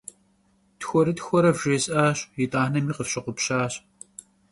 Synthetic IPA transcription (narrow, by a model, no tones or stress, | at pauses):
txʷɔɾɨtxʷɔɾɐvʒeːɕʼʔaːɕjɪtʼaːnɐmiːqəfɕɪqʷʊpɕaːɕ